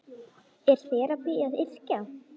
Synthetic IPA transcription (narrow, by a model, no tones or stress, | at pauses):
ɛɾ̥θɛːɾapiːjaðɪr̥ca